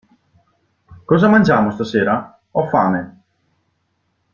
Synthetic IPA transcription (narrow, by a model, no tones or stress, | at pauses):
kɔːzamand͡ʒaːmost̪aseːɾa | ɔfa̰ːme